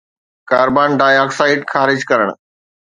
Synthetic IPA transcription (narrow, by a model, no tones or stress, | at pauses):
kaːɾbaːnɖaːjɔːksaːɪɖxaːɾɪd͡ʑkɐɾəɽ̃